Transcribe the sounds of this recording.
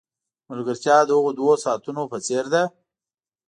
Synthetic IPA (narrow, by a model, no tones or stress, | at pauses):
mʊlɡəɾt͡ʃjɑd̪əhʊɣod̪wosɑːt̪unopət͡seɾd̪a